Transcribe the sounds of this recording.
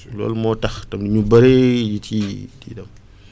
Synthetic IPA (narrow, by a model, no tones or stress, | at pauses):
lɔ̰ːlmɔːtɐxtɐmdiɲubɐɾejitʰitḭːdɐm